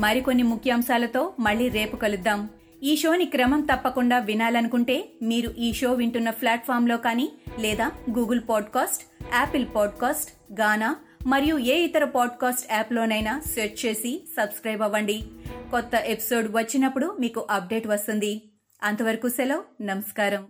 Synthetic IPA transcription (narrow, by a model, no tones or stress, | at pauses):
mɐɾiko̞nːimukʰjɐːmʃaːlɐt̪o̞ːmɐɭːiːɾe̞ːpukɐlud̪ːaːm | iːʂo̞ːnikɾɐmɐmt̪ɐpːɐkuɳɖaːʋinaːlɐnukuɳʈe̞ːmiːɾuʔiːʃo̞ːʋiɳʈunːɐpʰlaːʈ̚pʰaːɾmlo̞ːkaːniːlɛːd̪aːɡuːɡɐlpaːɖkaːsʈɛːpilpɔːɖkaːsʈ | ɡaːnaː | mɐɾijueːit̪ɐɾɐpaːɖkaːsʈɛːploːnɐjnaːseːɾt͡ʃt͡ʃe̞ːsisɐbskɾɐjbɐʋɐɳɖikɔt̪ːɐʔe̞pi̥so̞ːɖʋɐt͡ʃːinɐpːuɽumiːkuʔɐp̚ɖe̞ːʈʋɐst̪und̪i | ɐnt̪ɐʋɐɾɐkuːsɛlɐːnɐmɐskaːɾɐm